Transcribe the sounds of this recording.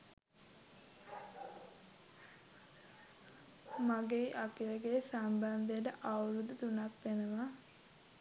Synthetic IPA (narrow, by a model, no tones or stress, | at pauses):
maɡeːʔakiləɡesamband̪ejəʈəʔawɾud̪ət̪unakʋenəma